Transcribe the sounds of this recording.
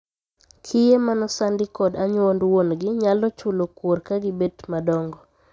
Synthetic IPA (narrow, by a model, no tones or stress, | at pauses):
kʰɪjemanɔsandɪkɔdaɲwondwonɡɪɲalɔt͡ʃulokworkaɡɪbetmadɔŋɡɔ